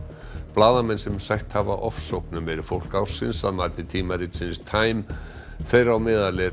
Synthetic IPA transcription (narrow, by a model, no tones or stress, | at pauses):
plaːðamɛnsɛmsajht̪havaʔɔfsowpnʏmɛɾʏfowl̥kaːwsɪnsa̰ðmaːɾt̪ɪt̪ʰiːmaɾɪt̪sɪnst̪ʰaːjm | θejɾawmɪːðalɪ